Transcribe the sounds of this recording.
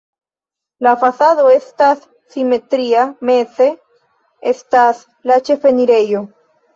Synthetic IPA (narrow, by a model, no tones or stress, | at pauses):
lafasaðo̞e̞stasː | ime̞tɾiame̞se̞ | estas | lat͡ʃe̞fe̞niɾe̞jo̞